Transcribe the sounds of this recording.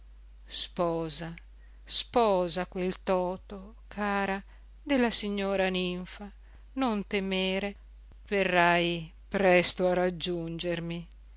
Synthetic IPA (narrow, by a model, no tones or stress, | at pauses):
spɔːza | spɔːzakwelt̪ɔːt̪o | kʰaːɾa | d̪elːasiɲːoːɾaniɱfa | nont̪emeːɾe | verːaj | pɾɛst̪oarad͡ʒːund͡ʒermi